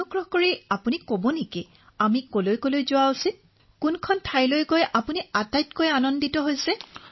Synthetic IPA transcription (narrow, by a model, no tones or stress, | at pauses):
oɡɹɔhkoɹiapunikobonikɛ | amikolojkolojzʊausit | kunkʰɔntʰaɹjlojkojʔapuniatajtkojanɔnditɔɦojsɛ